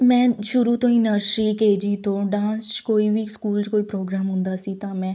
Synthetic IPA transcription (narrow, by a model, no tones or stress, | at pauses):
mɛ̃ːʃʊɾuːt̪õːĩːnəɾʃɾiːkeːd͡ʒiːt̪õːɖãːnst͡ʃkoːiːbiːskuːlt͡ʃkoːiːpɾoːɡɾaːmɦʊ̃nd̪aːsiːt̪ãːmɛ̃ː